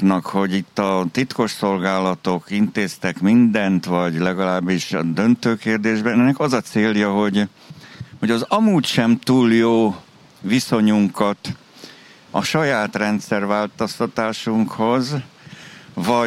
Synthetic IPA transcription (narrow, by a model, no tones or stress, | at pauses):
nɒkho̞ɟit̪ːɒt̪it̪ko̞ʃso̞lɡaːlɒt̪o̞kint̪eːst̪ɛkmind̪ɛnt̪ʋɒɟlɛɡɒlaːbːiʃd̪ønt̪øːkeːrd̪eːʒbɛnɛnːɛkɒzɒt̪seːljɒɦo̞ɟ | ho̞ɟɒzɒmuːcʃɛmt̪uːljoː | viso̞ɲuŋkɒt̪ | ɒ̰ʃɒjaːt̪rɛnt̪sɛrʋaːlt̪ost̪ɒt̪aːʃuŋkho̞z | vɒ